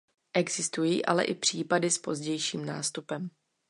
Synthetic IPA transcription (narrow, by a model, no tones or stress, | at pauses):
ʔɛɡzɪst̪ujiːʔa̰lɛ̰ʔɪpr̝̥iːpadɪspo̞zɟɛjʃiːmna̰ːst̪upɛm